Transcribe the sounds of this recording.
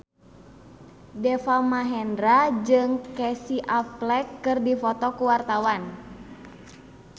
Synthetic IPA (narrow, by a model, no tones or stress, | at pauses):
dɛfamaɦɛndɾad͡ʒɨŋkɛsiʔaplɛkːɨrdifɔt̪ɔkuwart̪awan